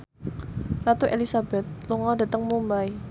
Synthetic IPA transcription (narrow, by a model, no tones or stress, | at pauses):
lat̪uʔelisab̥ɛt̪̚luŋɔd̥a̤t̪əŋmumbaj